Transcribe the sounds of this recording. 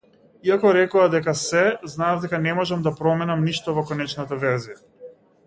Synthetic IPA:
iakɔɾɛkɔad̪ɛkasɛznaːvd̪ɛkanɛmɔʒɛmd̪apɾɔmɛnamniʃt̪ɔvɔkɔnɛt͡ʃnat̪avɛɾzija

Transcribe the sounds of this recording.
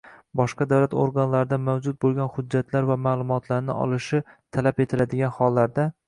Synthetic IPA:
bɒʃqɑd̪awlat̪o̰ɾɡanlaɾɪd̪amawd͡ʒʊt̪̚bolˠɡʲanhʊdd͡ʒːat̪laɾvamaːlˠʊmɒt̪ʰlaɾnɪ̰ɒ̰lˠɪʃɪt̪ʰalape̞t̪ʰɪlad̪ɪɡʲanhɒlˠːaɾd̪a

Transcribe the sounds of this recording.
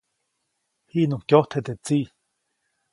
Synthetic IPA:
hiʔnũkjoht̪ʰet̪et͡si

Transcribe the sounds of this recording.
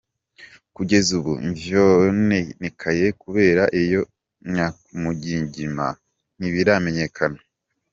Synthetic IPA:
kuɟe̞zuβṵmvjonenekʰaje̞kuβe̞ːɾaʔijo̞ | ɲakumuɟiːɲɟima̰ | n̥iβiɾame̞ɲe̞kʰana

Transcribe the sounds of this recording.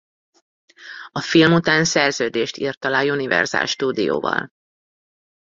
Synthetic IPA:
ɒfilmut̪aːnsɛrzøːd̪eːʃt̪ḭːrt̪ːɒlaːjunivɛ̰rz̥a̰ːlʃt̪uːd̪ijo̰ːvɒ̰l

